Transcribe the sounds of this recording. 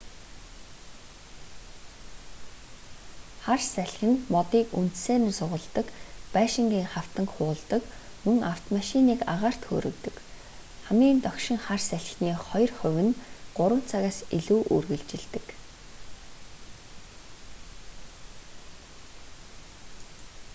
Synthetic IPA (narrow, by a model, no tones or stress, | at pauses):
χarsæɮʲxɘ̆nmɔt̪iːkun̥t̪seːnsʊʁə̆ɮt̪ə̆kpæːʃɪ̆ŋɡiːŋχaw̥t̪ə̆ŋkχʊːɮt̪ə̆kmɵŋaw̥t̪maʃiniːka̰ʁaːr̥t̪xo̰ːɾɵ̆kt̪ɵ̆k | χamiːnt̪œkʃɪ̆ŋχarsæɮxniːχɔj̆rχʊ̟wʲɘ̆nɢ̥ʊɾwə̆n̥t͡sʰaɣaːsiɮuːʔurɣɘ̆ɮt͡ɕɪ̆ɮt̪ɘ̆k